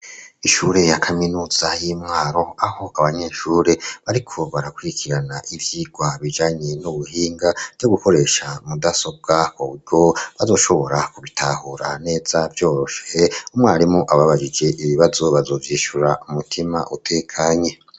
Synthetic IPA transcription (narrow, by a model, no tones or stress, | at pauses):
iʃuːɾe̞jakʰaminuːz̥ajiːmŋaːɾo̞aho̞aβaɲeʃuːɾe̞βaɾikʰo̞βaɾakwuɾikʰiɾanaʔivjiːɡ̥waβid͡ʒaːɲe̞nuβuhiːŋɡavjo̞ɡuko̞ɾe̞ːʃamudaso̞b̚ɡakoβuɾɡo̞βazo̞ːʃo̞βo̞ɾakuβitʰahuɾane̞ːzavjo̞ːɾo̞ʃeumŋaːɾimoʔaβaβaʒid͡ʒe̞ʔiβiβazo̞βazo̞ːvjiːʃuɾaumutʰima̰ʔutʰe̞ːkʰaːɲe̞